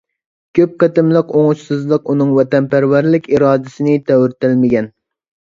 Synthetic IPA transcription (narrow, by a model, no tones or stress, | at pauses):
kʲʰøp̚qɑt̪ɪmlˠəqoŋuʃsɨzlˠəqunɨŋwɛt̪ɛnpæɾwæɾlɪkʲiɾɑːd̪ɪsɪnɪt̪ʰɛwɾɪt̪ɪlmɪɡʲɛn